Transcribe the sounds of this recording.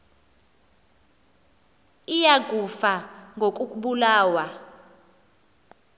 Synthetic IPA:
ijaɡ̥ʱufaŋɡʱok̬ʼukʼuɓulaːwa

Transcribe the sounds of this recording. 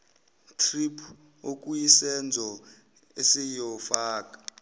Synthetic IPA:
tʰripʰ | okʼujisɛnd͡zʱɔ | esijɔfaːkʼḁ

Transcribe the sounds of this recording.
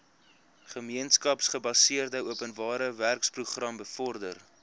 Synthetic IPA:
χəmiənskɐpsχəbɐsiərdəuəpənvɑːɾəværkspruχrɐmbəfɔrdər

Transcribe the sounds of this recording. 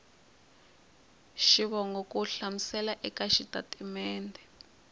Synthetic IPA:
ʃiβɔŋɡɔkuɬamisɛlaʔɛkaʃitatʼimɛːndɛ

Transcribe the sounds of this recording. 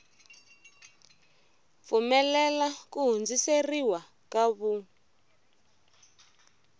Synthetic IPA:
fumɛlɛlakuɦund͡ziseriwa | kaβu

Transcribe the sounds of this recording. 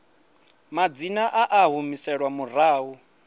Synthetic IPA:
mad͡zinaʔaʔaɦumisɛɺwamuraːɦu

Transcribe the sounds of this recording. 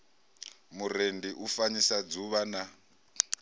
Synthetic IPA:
muɾendiʔufaɲisad͡zuβana

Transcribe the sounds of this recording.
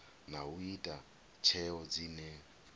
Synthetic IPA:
nauitʼa | t͡ʃʰɛɔd͡ziːnɛ

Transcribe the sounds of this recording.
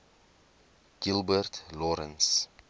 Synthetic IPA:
ɡ̥ilˠbərtlɔɾəns

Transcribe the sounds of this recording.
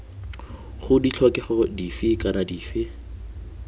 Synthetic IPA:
χʊdit͡ɬʰɔkʼɛχɔdifɪkʼanadiːfɪ

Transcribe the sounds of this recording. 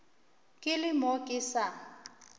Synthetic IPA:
kʼɪlɪmɔkʼɪsa

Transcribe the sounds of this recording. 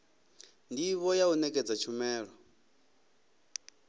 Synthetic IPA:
ndiβɔjaunɛkʼɛd͡zat͡ʃʰumɛːɺɔ

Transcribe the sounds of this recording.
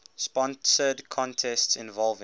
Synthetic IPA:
spɔ̃nsədkʰɔ̃ntʰɛstsɪ̃nvɔlˠv

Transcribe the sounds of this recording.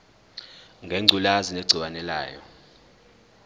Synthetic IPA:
ŋɡʱeŋ͡ǀʱulazineɡ͡ǀʱiwanɛla̰ːjɔ̰

